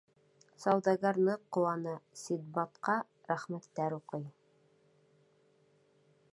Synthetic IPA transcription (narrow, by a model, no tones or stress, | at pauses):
sɑwd̪ɑɡɑɾnɤqːowɑnɤsid̪̚bɑt̪qɑ | ɾæχmæt̪ːæɾuqɤj